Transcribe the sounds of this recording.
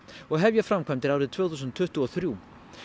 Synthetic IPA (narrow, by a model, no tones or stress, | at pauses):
ɔɣɦɛvjɛfɾamkʰvajmt̪ɪɾaːwɾɪðt̪ʰvœːɣθus̬ʏnt̪ʰːʏht̪ʏɔθɾjuː